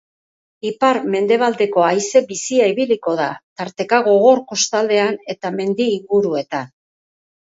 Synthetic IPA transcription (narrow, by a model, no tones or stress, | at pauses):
ipaɾme̞nd̪e̞β̞ald̪e̞ko̞ajse̞bisiaiβiliko̞ð̞at̪aɾt̪e̞kaɣo̞ɣ̞o̞ɾko̞st̪ald̪e̞ane̞t̪ame̞nd̪iːŋɡuɾue̞t̪an